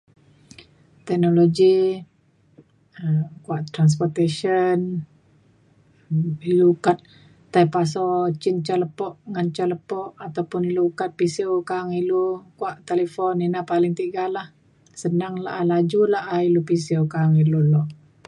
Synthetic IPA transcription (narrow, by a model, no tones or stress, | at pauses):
t̪ɛk̚noloɡi | əmkuaʔt̪ɾans̬pɔrt̪eʃən | ilukat̪̚ː | ajpas̬ɔt͡ʃɪnt͡ʃaləpɔʔŋant͡ʃaləpɔʔat̪awpʊniluukat̪̚pisiokaŋilukuaʔt̪eləfɔninapalɪŋt̪iɡalah | sənaŋla̰ʔalad͡ʒulaailupisiokaŋilulɔʔ